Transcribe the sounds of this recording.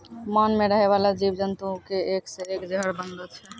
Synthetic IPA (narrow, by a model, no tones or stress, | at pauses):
mɔnmeɾəɦɛβalad͡ʒibd͡ʒənt̪ukeekseekd͡ʒəɦəɾbənd̪ot͡ʃʰɛ